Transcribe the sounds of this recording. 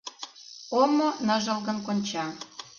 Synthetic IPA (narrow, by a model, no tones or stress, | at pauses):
omonəʒɤ̆lɣə̆nkonʲt͡ɕɑ